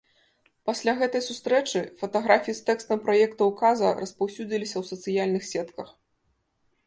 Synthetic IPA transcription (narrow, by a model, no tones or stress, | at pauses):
pasʲlʲaɣɛt̪ɐjsust̪ɾɛt͡ʂɨfɐt̪ɐɣɾafʲijist̪ɛkst̪ɐmpɾɐjɛkt̪ɐwkazɐ̰rɐspawsʲud͡zʲilʲisʲɐwsɐt̪sɨjalʲnɨxsʲɛt̪kɐx